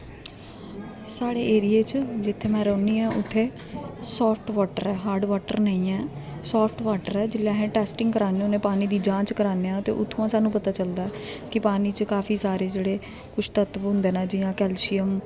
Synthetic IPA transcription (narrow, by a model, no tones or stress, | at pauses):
saːɽeːʔeːɾijeːt͡ʃd͡ʒɪt̪ʰːeːmɛ̃ːɾoːniːɛ̃ːʔʊt̪ʰːeː | sɔːpʰʈʋaːʈə̰ɾɛːɦaːɾɖʋaːʈə̰ɾnə̃ĩːɛ̃ːsɔːpʰʈʋaːʈəɾɛːd͡ʒɪlːjãːɦẽːʈɛːsʈɪ̃ŋɡkəɾaːneonẽːpaːniːd̪iːd͡ʒãːt͡ʃkəɾaːneːãːt̪eːʔʊt̪ʰːoãːsaːnũːpət̪aːt͡ʃəld̪aːɛ | kɪpaːniːt͡ʃkaːfʰiːsaːɾeːd͡ʒeːɽeː | kʊt͡ʃʰt̪ət̪ʋɦʊ̃nd̪eːnaːd͡ʒɪjãːkɛːlsijəm